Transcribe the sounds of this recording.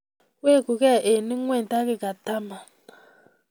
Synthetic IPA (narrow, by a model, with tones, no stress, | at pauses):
we˦˨ku˨ke˦˨ʔe˨ni˦ŋʷe˦˨n̩˨ta˦ɡɪ˦ka˨ta˦ma˨